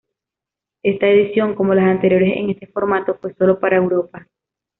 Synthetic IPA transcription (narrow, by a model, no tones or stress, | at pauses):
e̞st̪ae̞ðisjo̞ŋko̞mo̞lasant̪e̞ɾjo̞ɾe̞se̞̰ŋe̞st̪e̞fo̞ɾmat̪o̞fwe̞so̞lo̞paɾaewɾo̞pa